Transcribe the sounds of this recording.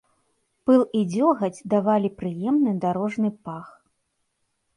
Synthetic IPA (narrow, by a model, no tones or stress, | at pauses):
pɨlˠid͡zʲɔɣɐd͡zʲd̪avalʲipɾɨjɛmnɨd̪aɾɔʐnɨpax